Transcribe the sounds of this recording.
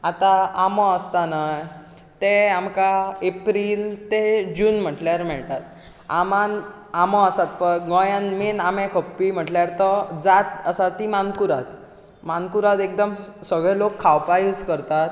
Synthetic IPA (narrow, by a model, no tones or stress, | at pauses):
at̪aamɔəst̪anaj | t̪eamkaepɾilt̪ed͡ʑuːnm̤əʈljaɾmɛɭt̪at̪̚ | a̰man | amɔəsat̪̚pəɡɔjãnmenamẽkʰəpːim̤əʈljaɾt̪ɔd͡zat̪əsat̪imankuɾat̪ | mankuɾat̪ek̚d̪əmsəɡɭɛlokʰːawpajuːd͡zkəɾt̪at̪